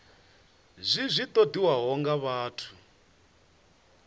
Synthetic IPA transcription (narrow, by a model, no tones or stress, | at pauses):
zʷizʷit̪ʼodiwaɦɔŋɡaβaːtʰu̥